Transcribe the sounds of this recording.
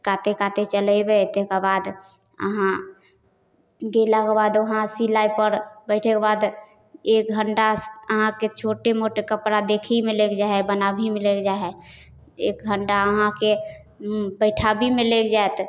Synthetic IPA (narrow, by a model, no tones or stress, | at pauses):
kat̪ekaːt̪et͡ʃələbet̪ekebaːd̪ | ə̰ɦã | ɡelakebaːd̪əɦãsilaipəɾbəɪʈʰekebad̪ | eːk̚ɡʱəɳʈaəɦãket͡ʃʰoːʈemoʈekəpɾad̪ekʰimẽleːkd͡ʒaebənabʱimeleːkd͡ʒaɛ | eːk̚ɡʱəɳʈaəɦãke | bəɪʈʰabʱimẽleːkd͡ʒaet̪